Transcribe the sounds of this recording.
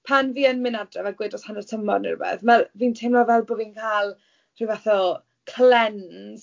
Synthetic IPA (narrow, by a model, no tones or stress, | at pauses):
pʰanviːənmɪnadrɛvaɡwɪdɔshanərtʰəmɔdnɪ̰rbɛ̰θmɛlviːntʰemnɔvɛlˠboːviːnkʰaːlˠ | r̥ɨvɛθɔ | kʰlɛns